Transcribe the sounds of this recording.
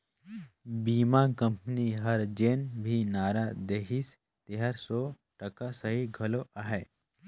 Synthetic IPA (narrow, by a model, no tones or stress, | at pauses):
biːmakə̃mpniɦəɾd͡ʒeːnbʱinaːɾad̪eːkis | t̪eɦəɾsɔː | ʈɐkasəɦiɡʱɐloʔaɦɛː